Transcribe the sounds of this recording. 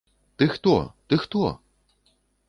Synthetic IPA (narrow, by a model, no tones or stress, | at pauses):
t̪ɨxt̪ɔ̰t̪ɨxt̪ɔ